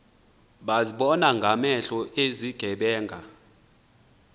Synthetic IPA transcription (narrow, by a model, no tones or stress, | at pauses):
ɓaziɓɔnaŋɡʱamɛɬɔeziɡ̥ʱɛɓɛːŋɡʱa